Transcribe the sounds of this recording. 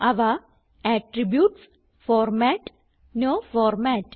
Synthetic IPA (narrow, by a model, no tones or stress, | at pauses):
aʋa | æʈɾibjuːʈs | fɔːɾmæʈ | nofɔːɾmæʈ